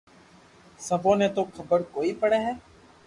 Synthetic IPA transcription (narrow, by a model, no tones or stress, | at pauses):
səbõːnẽːt̪oːkʰəbəɾkoːiːpəɽeːɦɛː